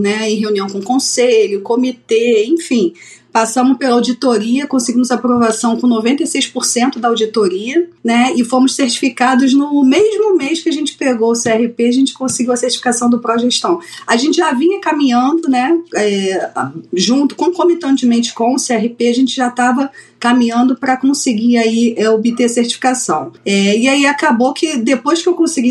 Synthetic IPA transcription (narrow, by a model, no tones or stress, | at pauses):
nɛẽɦeũniɐ̃w̃kõʊkõseʎʊkomit̪eẽj̃fĩ | pasɐ̃mʊʃpelɐawd͡ʒit̪oɾiɐkõsɪɡĩmʊzapɾovasɐ̃w̃kõnovẽnt̪ejsejspoɾsẽnt̪ʊd̪ɐawd͡ʒit̪oɾiɐnɛɪfomʊsseht͡ʃi̥fikad̪ʊznʊmeʒmʊmejʃkɪɐʒẽnt͡ʃɪ̥peɡowʊseɛhipeaʒẽnt͡ʃɪ̥kõsɪɡiuwɐseht͡ʃi̥fi̥kasɐ̃w̃d̪ʊpɾoʒeʃt̪ɐ̃w̃aʒẽnt͡ʃɪʒavĩɲɐkamĩɲɐ̃nd̪ʊnɛɛ | ʒũnt̪ʊ̥kõkõmit̪ɐ̃nt͡ʃɪmẽnt͡ʃɪ̥kõw̃ʊseɛɦipeaʒẽnt͡ʃɪʒat̪avɐ | kamĩɲɐ̃nd̪ʊpɾɐkõsɪɡiaiʔɛobit̪eseht͡ʃi̥fi̥kasɐ̰̃w̃ɛɪaiakabowkʰɪd̪epojʃkɪewkõsɪɡi